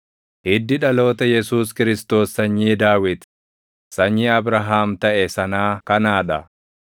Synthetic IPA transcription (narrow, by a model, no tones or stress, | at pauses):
hɪd̪ːɪᶑɐlo̞ːt̪ɐjɛsuːskɪɾɪst̪o̞ːsːɐɲːiːd̪aːwɪd̪ | sɐɲːiɐbɾɐɦaːmt̪ɐʔɛsɐnaːkɐnaːᶑɐ